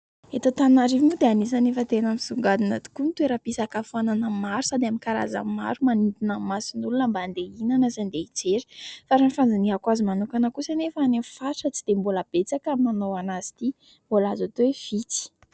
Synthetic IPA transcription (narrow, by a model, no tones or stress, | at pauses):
et̪at̪annaɾivimud̪eanizanefət̪enamisuŋɡad̪inat̪u̥kunt̪uweɾapisakafananəmaɾusad̪eamikaɾa̰za̰mma̰ɾumanint̪inamasinulunəmbaand̪einanəzand̪eit͡seɾi̥faɾanifand͡zaniɦakazimanukanəkusanefəanefaʈ͡ʂət͡sid̪̥emboləb̥et͡sakamanowanazi̥t̪i | mbolazat̪owefit͡si̥